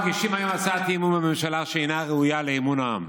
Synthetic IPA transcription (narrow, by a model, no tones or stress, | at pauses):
ɡiʃimajomat͡sat̪imunbememʃalaʃejnaʁeujaleimunaa̰m